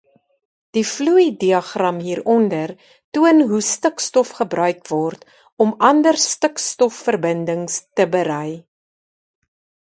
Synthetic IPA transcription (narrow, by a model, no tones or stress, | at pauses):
d̥ifluidiɐχrɐmɦiːɾɔndər | tuənɦustəkstɔfχəbrœɥkvɔrt | ɔmʔɐndərstəkstɔfːərbəndəŋstəbəɾɛj